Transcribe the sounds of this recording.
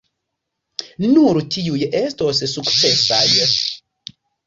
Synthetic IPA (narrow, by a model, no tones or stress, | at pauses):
nuɾtʰiujestossukt͡sesaj